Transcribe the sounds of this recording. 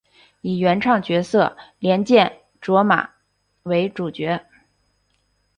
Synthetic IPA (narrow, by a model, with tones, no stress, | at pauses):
i˨˩ɥɛ˧˥nʈ͡ʂʰɑ˥˩ŋt͡ɕɥɛ˧˥sɤ˥˩ljɛ˧˥nt͡ɕjɛ˥˩n | ʈ͡ʂwɔ˧˥ma̰˨˩˦ | we˧˥ɪʈ͡ʂu˨˩t͡ɕɥɛ˧˥